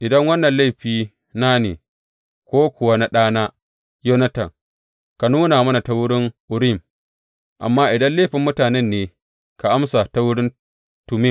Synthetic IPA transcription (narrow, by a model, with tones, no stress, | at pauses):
ʔɪ˨dɐ˦ŋwɐ˦nːɐ˨nla˦˨ɸiː˦ | naː˦nḛː˨ | kʷoː˦kʷʊ˨wa˦na˦ɗaː˦naː˦ | joː˦nɐ˦tɐ̰˨ŋ | ka˨nuː˦na˨mɐ˦na˨ta˦wʊ˦ɽɪ˦ŋʔʊ˨ɽɪ˦˨m | ʔa̰˨mːaː˦ʔɪ˨dɐ˦nleː˦˨ɸɪ˨mːʊ˦taː˨nɛ˦˨nːeː˦ | ka˨ʔa˦msa˨ta˦wʊ˦ɽɪ˦n | tʊ˨mɪ˦˨